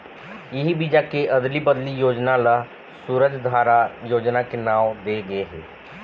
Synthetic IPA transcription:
ɪɦibid͡ʒakeʔɐd̪libəd̪lijoːd͡ʒnala | suːɾəd͡ʒd̪ʱaːɾajoːd͡ʒnakenaːwd̪eːɡɐeɦɛ̰ː

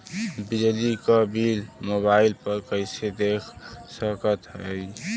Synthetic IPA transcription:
bɪd͡ʒlikabiːlmoːbaːɪlpəɾkəɪsed̪eːkʰsəkət̪ɦɛi

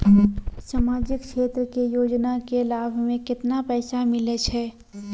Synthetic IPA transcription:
saːmaːd͡ʒɪkʃeːt̪ɾəkejoːd͡ʒnakelaːbʱmẽkɪt̪napɛːsamɪlət͡ʃʰɛː

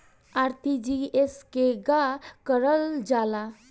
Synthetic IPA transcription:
aɾt̪id͡ʒieskeɡakəɾəld͡ʒala

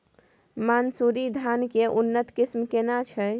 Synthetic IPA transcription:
mansuɾid̪ʱankeʔunːət̪kismkenat͡ʃʰə

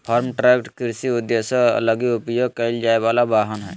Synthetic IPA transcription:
pʰaɾmʈɾɛpʈkiɾsiud̪jəsə̃ə̰ləɡiupjoɡ̚kəld͡ʒaebalabaɦənɦɛ̰ː

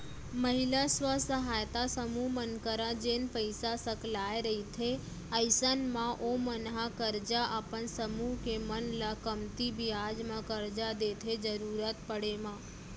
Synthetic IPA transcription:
məɦɪlasʋəsəɦaːjt̪asəmuɦmənkəɾãd͡ʒenpəɪsasəklaːeɾəɦit̪ʰe | əɪsənmãʔomənɦakəɾd͡ʒaʔapənsəmuɦkemənlakəmt̪ibʱiad͡ʒmãkəɾd͡ʒad̪eːt̪ʰed͡ʒəɾuːɾat̪pəɽemãː

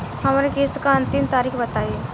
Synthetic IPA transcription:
ɦɐmaɾekeːskaɐ̃nt̪ɪmt̪aːɾiːxbɐt̪aːie

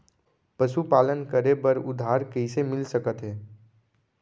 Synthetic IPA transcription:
pəʃupaːlənkəɾebəɾʊ̰d̪ʱːaːɾkəɦisemɪlsəkət̪ɦɛː

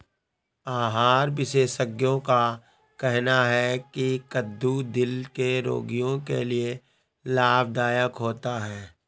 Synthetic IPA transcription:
aːɦaːɾʋɪʃeːʃəɡjõka | kɛɦnaɦɛkikəd̪ːud̪ɪlkeɾo̰ːɡijõkḛlie | laːb̚d̪aːjəkɦoːt̪aɦɛː

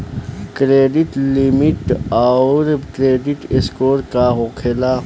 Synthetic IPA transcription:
kɾeːɖɪʈlimɪʈaɾkɾeːɖɪʈeskoːɾkaɦoːkʰelaː

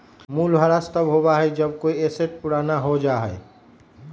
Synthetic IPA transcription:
muːlbʱəɾast̪əbɦobaɦɛd͡ʒəb̚koːieseʈ̚puɽanaɦod͡ʒaːɦɛe

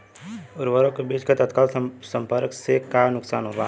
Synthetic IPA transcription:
ʊɾʋəɾõkebiːt͡ʃkat̪ɐt̪kaːlsə̃mpəɾksekanʊksa̰ːnɦoːɾa

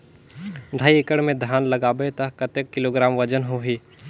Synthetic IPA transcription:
ɖʱaːiekəɽmẽd̪ʱaːnlɐɡaːbet̪ɐɦkɐt̪ekːɪloːɡɾaːmʋəd͡ʒənɦoɦiː

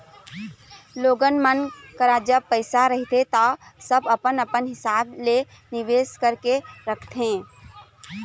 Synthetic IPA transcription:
loːɡənmənkəɾad͡ʒəb̚pəɪsaɾəɦt̪et̪ɔsəbəpənəpənɦɪsaːble | nɪʋeːskəɾkeɾəkʰt̪ʰẽː

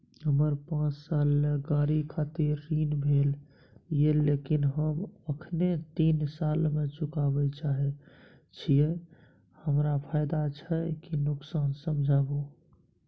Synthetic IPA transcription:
ɦəməɾpãt͡ʃsalmeɡaɾikʰat̪iɾːiːnbʱel | jelekinɦəməkʰnet̪insaːlmet͡ʃʊkabət͡ʃaɦɛ | t͡ʃʰije | həmɾapʰaːjd̪at͡ʃʰəkinʊksaːnsəmd͡ʒʱaːbo

